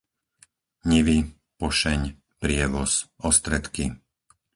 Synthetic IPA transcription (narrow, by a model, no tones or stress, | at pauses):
ɲiʋi | pɔʃɛɲ | pɾɪɛʋɔsɔst̪ɾɛt̪ki